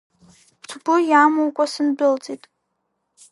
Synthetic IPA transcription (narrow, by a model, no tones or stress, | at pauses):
pʰtʰbʊjamowkʷʼasɨnbʊlt͡sʼitʼ